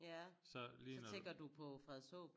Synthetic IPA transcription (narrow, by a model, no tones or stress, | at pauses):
jæsɒlisɒnt͡seŋɡ̥ɐd̥upʰɒ̽fʁɛðˠsɔ̰ːb̥